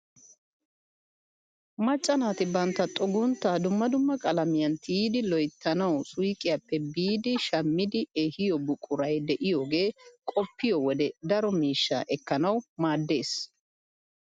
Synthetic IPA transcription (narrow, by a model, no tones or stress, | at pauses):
mɐt͡ʃʼːɐnaːt̪ɪbɐnt̪ːɐt̪ʼɔɡʊnt̪ːɐd̪ʊmːɐd̪ʊmːɐkʼɐlɐmɪjɐnt̪ʰiːd̪ɪlɔjt̪ʰːɐnɐwsʊjkʼɪjɐpːɛbiːd̪ɪʃɐmːɪd̪ɪehɪjɔbʊkʼːʊɾɐjd̪ɛʔɪjoːɡe̞ːkʼɔpːɪjɔwɔd̪ɛd̪ɐɾɔmiːʃːɐ̰ʔɛkːɐnɐwmaːd̪ːe̞ːs